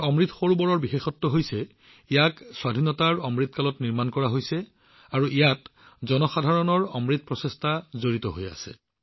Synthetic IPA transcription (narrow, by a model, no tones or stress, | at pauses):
ɔmɹit̪ʰxoɹubɔɹɔɹbixexɔtːɔɦojsɛ | ijakswadʱinɔtaɹɔmɹit̪̚ʰkalɔtniɹmankɔɹaɦojsɛ | aɹuijatzɔnɔxadʱaɹɔnɔɹɔmɹit̪̚pɹɔsestʰazoɹitɔɦo̰ja̰sɛ̰